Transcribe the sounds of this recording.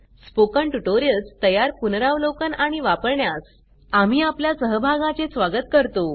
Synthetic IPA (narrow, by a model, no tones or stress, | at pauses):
spokəɳʈuʈoɾijəlst̪əjaɾpunɾaʋlokənaɽ̃iʋapəɾɳjas | am̤iːapljasəɦəbʱaɡãt͡sesʋaɡət̪kəɾt̪o